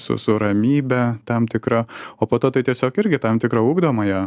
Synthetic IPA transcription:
sʊ̰sʊɾɐmʲiːbʲɛt̪ɐmt̪ʲɪkɾɐoːpoːt̪oːt̪ɐɪt̪ʲiɛsʲoːkɪɾʲɡʲɪt̪ɐmt̪ʲɪkɾɐuːɡd̪oːmɐjɛ

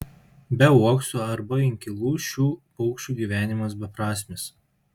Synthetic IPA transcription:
bʲɛuɔkst̪oɐɾbɐɪŋʲkʲɪlˠuːʃʲuː | ɔʊkʃʲt͡ʃʲuːɡʲiːʋʲæːnʲɪmɐs̬bʲɛpɾɑːsʲmʲɪs

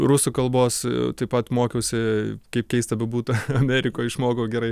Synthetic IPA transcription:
rʊsʊkɐlˠboːst̪ɐɪpɐt̪moːkʲɛʊsʲɪkɐɪpkʲɛɪst̪ɐbʲɛbuːt̪ɐɐmʲæɾʲɪkoːjɪʃmoːkoːɡʲɛɾɐɪ

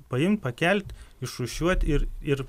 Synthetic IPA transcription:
pɐɪmt̪̚ʲpɐkʲɛlʲt̪ʲɪʃʊʃʲuɔt̪ʲɪɾɪr

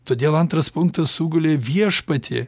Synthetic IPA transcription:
t̪oːd̪ʲeːlˠɐnt̪ɾɐspʊŋk̚t̪ɐsuːɡʊlʲeːʋʲiɛʃpɐt̪ʲʰɪ̰

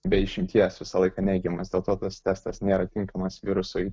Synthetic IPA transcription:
bʲɛɪʃʲɪmʲt̪ʲiɛsʋʲɪsɐlˠɐɪkɑnʲɛɪɡʲɛmɐsd̪ʲeːlˠt̪oːt̪ɐst̪ʲɛst̪ɐsnʲeːɾɐt̪ʲɪŋkɐmɐsʋʲɪɾʊsʊj

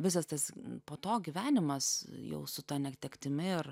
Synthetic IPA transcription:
ʋʲɪsɐst̪ɐspoːt̪oːɡʲiːʋʲæːnʲɪmɐsjɛ̰ʊsʊt̪ɐnʲɛkt̪ʲɛkt̪ʲɪmʲɪɪr

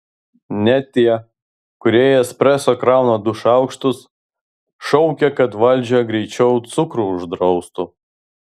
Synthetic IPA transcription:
nʲɛt̪ʲiɛ | kʊɾʲiɛjɛspʲɾʲæsoːkɾɑˑʊnoːd̪ʊʃɑˑʊkʃt̪ʊs | ʃɔʊkʲɛkɐt̪ʋɐlʲd͡ʒʲoɡɾʲɛɪt͡ʃʲɛʊt̪sʊkɾuʊʒd̪ɾɔʊst̪u

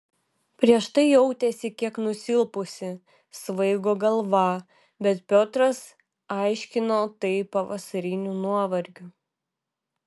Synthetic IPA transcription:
pʲɾʲiɛʃt̪ɐɪjɛʊt̪ʲesʲɪkʲiɛknʊsʲɪlˠpʊsʲɪ | sʋɐɪɡoːɡɐlˠʋɑ | bʲɛt̪pʲot̪ɾɐs | ɑˑɪʃʲkʲɪnoːt̪ɐɪpɐʋɐsɐɾʲɪnʲunuɔʋɐɾʲɡʲʊ

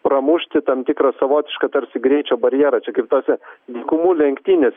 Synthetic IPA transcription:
pɾɐmuʃʲt̪ʲɪt̪ɐmt̪ʲikɾɐsɐʋoːt̪ʲɪʃkɐt̪ɐɾʲsʲɪɡɾʲɛɪt͡ʃʲoːbɐɾʲjɛːɾɐt͡ʃʲɛkɐɪp̚t̪oːsʲɛlʲiːkʊmuːlʲɛŋʲkt̪ʲiːnʲeːsʲ

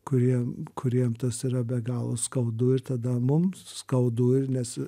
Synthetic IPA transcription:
kʊɾʲiɛmkʊɾʲiɛmt̪ɐsiːɾɐbʲɛɡɑːlˠʊskɐʊd̪uːɪɾt̪ɐd̪ɐmʊmsskɐʊd̪uːɪrnʲɛs

